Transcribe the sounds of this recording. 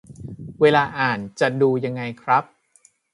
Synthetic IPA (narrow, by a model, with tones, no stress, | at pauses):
weː˧laː˧ʔaː˨˩nt͡ɕa˨˩duː˧ja˧ŋːa˧jkʰɾa˦˥p̚